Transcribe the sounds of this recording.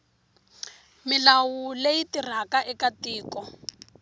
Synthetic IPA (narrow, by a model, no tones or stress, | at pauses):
mɪlawulejitir̤akaʔɛkatiːkɔ